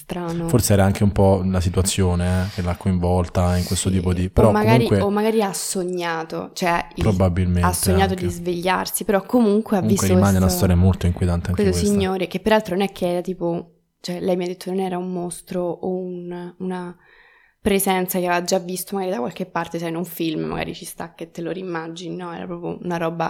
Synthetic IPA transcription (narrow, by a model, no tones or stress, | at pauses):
st̪ɾaːnoforseɛːɾaaŋk̟eumpɔlasit̪wat̪sːjoːnekelakːoiɱvɔlt̪aiŋkwest̪ot̪iːpod̪ipeɾɔkmːaɡmaːuɾikweomːaɡaːɾiasːoɲːaːt̪o̰t͡ʃoɛpɾobabilmeatsːoɲːaːt̪od̪izveʎːa̰rsipeɾɔkːomuŋkweauviskweɾt̪ioemaːneunast̪ɔːɾjamolt̪oiŋkwjet̪ant̪eaŋkwkesoksiɲːoːɾekepːeɾalt̪ɾononɛkʰːeɛːɾat̪iːpo | t͡ʃoɛlɛjmiad̪et̪ːononɛːɾaumːost̪ɾoːununa | pɾezɛnt̪sakeavead͡ʒːavːist̪omaɡaːɾid̪akwa̰lkepːart̪esajnuɱfilmmʔa̰ɡa̰ːɾḭt͡ʃist̪akːet̪ːeloɾimad͡ʒinnɔɛ̰ːɾa̰pɾɔːpjo̰unaɾɔːba